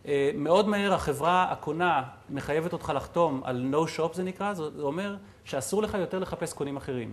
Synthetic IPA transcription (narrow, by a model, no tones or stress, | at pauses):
eme̞o̞dmae̞ʁaχe̞vʁaa̰kona | me̞χajeveto̞tχalaχt̪o̞ma̰lnowʃo̞pzenikʁazzeome̞ʁ | ʃeasuʁle̞χajo̞te̞ʁle̞χape̞sko̞nimaχe̞ʁim